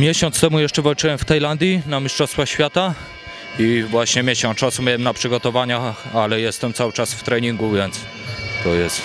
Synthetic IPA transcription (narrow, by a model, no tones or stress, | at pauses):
mʲjɛɕɔnt̪st̪ɛmujɛʂt͡ʂɛvalt͡ʂɘwɛmft̪ajland̪ʲjinamʲiʂt͡ʂɔst̪faxɕfʲjat̪a | ivwaɕɲɛmʲjɛɕɔ̃nt͡ʂasumʲjawɛmnapʂɘɡɔt̪ɔvaɲaalɛjɛst̪ɛmt̪sawɘt͡ʂasft̪ɾɛɲiŋɡuvʲjɛnt̪s | t̪ɔjɛst̪